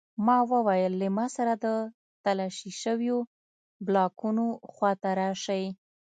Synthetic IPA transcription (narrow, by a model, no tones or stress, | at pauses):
mɑwəwajəlːemɑsaɾad̪ə | t̪alɑʃiʃəwjo | blɑkunoxwat̪aɾɑʃaj